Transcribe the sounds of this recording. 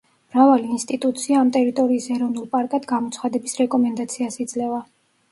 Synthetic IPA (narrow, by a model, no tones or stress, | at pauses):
mɾavaliːnst̪ʼit̪ʼut̪sʰiaːmt̪ʼɛɾit̪ʼɔɾiːsɛɾɔvnulˠpʼaɾkʼad̪ɡamɔt̪sʰχad̪ɛbisɾɛkʼɔmɛnd̪at̪sʰiasid̪zlɛva